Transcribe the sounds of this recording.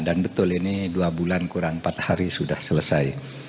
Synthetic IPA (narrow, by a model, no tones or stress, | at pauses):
danbət̪ʊliniduabulankuɾanpat̪̚haɾisudahsələsaj